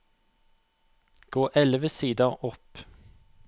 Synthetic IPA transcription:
ɡ̥oːʔɛlʋəsiːd̪əʁɔp

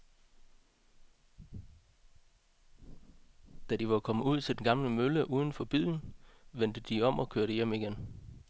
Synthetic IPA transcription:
d̥æd̥iʋɑ̈kʰɒ̽məuð̞̰ˠt͡sʰe̝d̥enɡ̥ɑ̈mləmøləʔuːð̞ˠn̩fɒ̽b̥ḭːn̩ʋen̰d̥əd̥iɒ̽mɒ̽kʰøɐɾəjem̰iɡ̥en

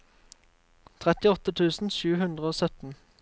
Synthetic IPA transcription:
t̪ʰʁɛt̪ɪɔt̪ət̪ʰʉːsn̩ʃʉːhʉnd̪ʁəoːsœt̪n̩

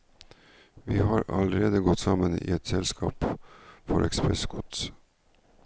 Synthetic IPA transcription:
ʋiːɦɑːɾɑləɾeːd̪əɡɔt̪ːsɑmənḭːɛt̪sɛlskʰɑːpfɔɾʔɛ̰kspʰɾɛskʰɔt̪s

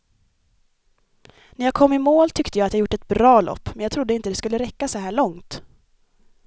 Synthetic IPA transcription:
næɾjaɡkʰɔmːɪmoːlt̪ʰʏkt̪əjɑːat̪jɑɡjʊʈːɛt̪̚bɾɑːlʔɔ̰pːmɛnjɑɡt̪ʰɾʊd̪ːəɪnt̪əd̪ɛskɵlːəɾɛkːasɔɦæːɭɔŋt̪

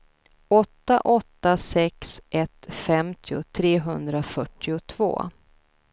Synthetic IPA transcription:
ɔt̪ːaʔɔt̪ːasɛksʔɛt̪fɛmt̪ʰɪʊ̰t̪ʰɾeːɦɵnd̪ɾafœʈːɪʊt̪ʰv̥o̰ː

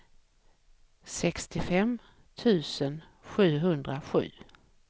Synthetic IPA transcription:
sɛkst̪ɪfɛm | t̪ʰʉ̟ːsən | ɧʉ̟ːɦɵnd̪ɾaɧʉ̟̰ː

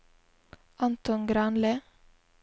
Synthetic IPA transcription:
ɑnt̪ɔnɡɾɑnlə

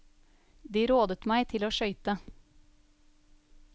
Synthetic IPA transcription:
d̪iːɾoːd̪ət̪mæɪt̪ʰɪloːʃœʏt̪ə

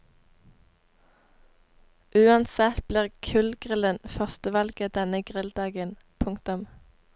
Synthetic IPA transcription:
ʔʉːɑnsɛt̪bliːʁkʰʉlɡʁɪlənfœʁst̪əʋɑlɡəd̪̥ɛnəɡʁɪld̪ɑːɡən | pʰʊŋkt̪ʊm

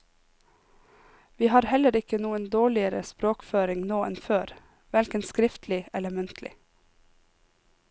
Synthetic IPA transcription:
ʋiːhɑːɾhɛləɾɪkənuːənd̪oːɭɪəɾə̰spɾoːkføːɾɪŋnoːɛnføːɾ | ʋɛlkənskɾɪft̪ʰlɪɛləmʉnt̪ʰlʔɪ̰

